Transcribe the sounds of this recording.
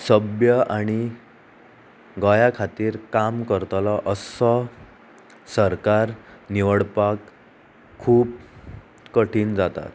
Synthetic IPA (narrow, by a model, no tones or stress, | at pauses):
səbjəʔaɽ̃i | ɡəjakʰat̪iːɾkamkəɾt̪laʔəsɔ | səɾkaɾniʋəɽpakʰː | uːp | kəʈʰiːnd͡zat̪a̰t̪